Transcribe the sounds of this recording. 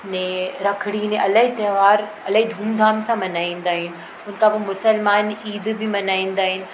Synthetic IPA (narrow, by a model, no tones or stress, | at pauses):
nẽɾɐkʰɽinẽʔɐləɦit̪eːʋaːɾ | ɐləɦid̪ʱũːnd̪ʱaːmsãmɐnaːĩːn̆d̪aːɦɪnɪ̆ | ʊn̆kʰãbɐmʊsəlmaːniːd̪bɪmɐnaːĩːn̆d̪aːɦɪnɪ̆